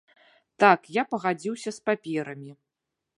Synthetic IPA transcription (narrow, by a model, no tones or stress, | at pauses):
t̪akjapɐɣad͡zʲiwsʲɐspapʲɛɾɐmʲi